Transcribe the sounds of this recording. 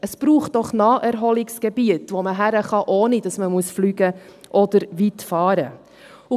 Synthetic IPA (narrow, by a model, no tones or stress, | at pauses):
əsb̥ɾuːχt̚d̥ɔχnɑːʔɛɾɦɔlɪksɡ̥ɛbiətʋoməɦæɾəχɑʔɔːnid̥ɑsməmuəsflyːɡə | ʔɔdəɾʋitfɑːɾə | ʊ